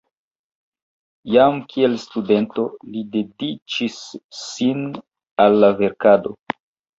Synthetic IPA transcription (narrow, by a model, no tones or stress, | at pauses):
jamkʰie̞lstude̞nto̞lide̞dit͡ʃisːin | alːave̞ɾkado̞̰